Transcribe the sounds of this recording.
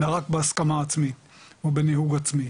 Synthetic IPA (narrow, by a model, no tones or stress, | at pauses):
aʁakbeaskamaːt͡smit̪ | vebenihuɡat͡smi